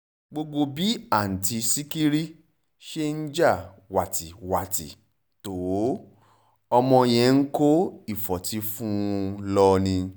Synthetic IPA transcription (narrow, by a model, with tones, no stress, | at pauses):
ɡ͡bo˧ɡ͡bo˧bi˨˦a˦˨n̩˨ti˧si˦ki˦ɾi˦ | ʃe˦n̩˦d͡ʒa˦˨ | wa˨ti˨wa˨tḭ˨ | to˨˦ | ɔ˧mɔ̃˧j̃ɛ̃˧ŋ̩˦ko˦i˦˨fɔ˨ti˨˦fũ˦˧lɔ˧nĩ˧